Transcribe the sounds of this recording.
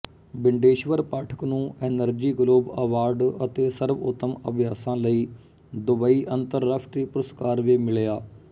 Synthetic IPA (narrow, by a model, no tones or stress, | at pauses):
bɪɳɖeːʃʋəɾpaːʈʰə̥knũːʔɛːnəɾd͡ʒiːɡloːbəʋaːɾɖət̪eːsəɾʋʊt̪ːəmə̰bʱɪjaːsãːləiː | d̪ʊbaːiːʔənt̪əɾːaːpʰʈ̪ɾiːpʊɾəskaːɾʋiːmɪɭjaː